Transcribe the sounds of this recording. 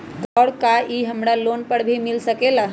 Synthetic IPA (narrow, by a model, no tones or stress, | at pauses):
t̪ɔːɽkaʔiɦəmɾalonpəɽbʱimilsəkela